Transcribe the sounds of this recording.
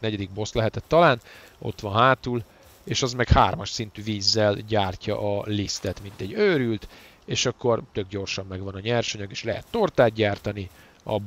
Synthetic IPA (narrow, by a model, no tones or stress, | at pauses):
nɛɟɛd̪iɡ̚bo̞slɛɦɛt̪ɛt̪ːɒlaːno̞̰t̪ʋɒnɦaːt̪ul | eːʃɒzmɛkhaːrmɒʃsin̪t̪yːviːzːɛlɟaːrcɒ̰ʔɒlist̪ɛt̪mint̪ɛɟːøːɾylt̪ | eːʃɒkːo̞rt̪ø̞ɡ̚ɟo̞rʃɒmːɛɡʋɒnɒɲɛrʃoɲɒɡeːʃlɛɦɛ̰t̪ːo̞rt̪aːd̪̚ɟaːrt̪ɒni | ɒ̰b